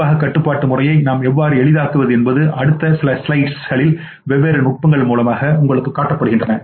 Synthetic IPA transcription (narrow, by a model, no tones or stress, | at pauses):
aːɣɐkːɐʈːɯpːaːʈːɯmʊrɐjɐɪnaːmɛʋːaːɾɯɛɭɪðaːkɯʋɐðɯɛnbɐðɯʔɐɽɯt̪ːɐsɪlɐslɐɪʈsɣɐɭɪl | ʋɛʋːeːɾɐnʊʈ̚pɐŋɡɐɭmuːlɐmaːɣɐʊŋɡɐɭɯkːɯkːaːʈːɐpːɐɽɯɣɪndrɐnɐ